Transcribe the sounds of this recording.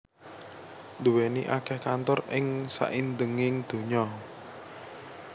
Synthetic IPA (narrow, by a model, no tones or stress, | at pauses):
nd̪uweniʔakɛhkant̪ɔrɪŋsa̰ʔind̪əŋɪŋd̪̥o̤ɲɔ